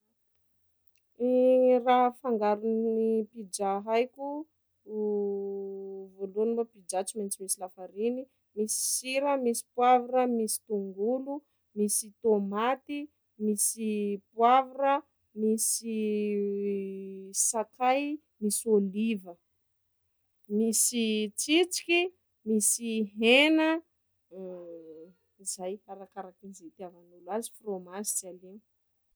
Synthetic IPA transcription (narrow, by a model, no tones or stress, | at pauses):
iraɦfaŋɡaɾunnipid͡ʒaɦajkʲu | volunubapid͡ʒat͡ʃiment͡simisilafaɾini | misi̥siɾəmisi̥pwaviɾəmisi̥t̪uŋɡulu | misit̪omat̪i | misipwavuɾə | misi | sakaj | misolivə | misit͡sit͡si̥kʲi | misiɦenə | izajaɾakaɾakinzit̪iavanulwazi̥fromasi̥t͡salini̥